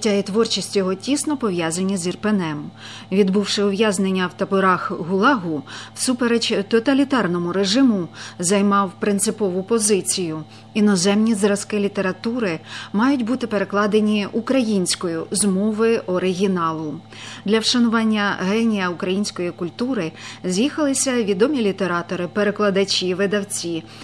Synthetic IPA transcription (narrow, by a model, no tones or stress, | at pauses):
tʲajit̪ʋɔrt͡ʃisʲtʲjɔɦɔtʲisnɔpɔʋjazɐnʲːizʲirpenɛm | ʋʲid̪buwʃɪʊʋʲjaznenʲːɐwt̪ɐbʊɾɑxɦʊlˠɑɦʊsupeɾt͡ʃt̪ɔt̪ɐlʲit̪ɑrnɔmʊɾeʒɪmʊzɐjmɑwpɾɪnt̪sɪpɔʋʊpɔzɪt͡sʲijʊ | inɔzɛmnʲizɾɐskɪlʲit̪e̞ɾɐt̪uɾɪmɑjʊtʲbut̪ɪpe̞ɾe̞klˠɑd̪enʲiukɾɐjinʲsʲkɔjʊzmɔʋɪɔɾɪɦʲinɑlˠʊ | d̪lʲɐwʃɐnʊʋɑnʲːɐɦɛnʲijɐʊkɾɐjinʲsʲkɔjikʊlʲt̪uɾɪzʲjixɐlˠɪsʲɐʋʲid̪ɔmʲilʲit̪e̞ɾɑt̪ɔɾɪpeɾeklˠɐd̪ɐt͡ʃʲiʋɪd̪ɐwt͡sʲi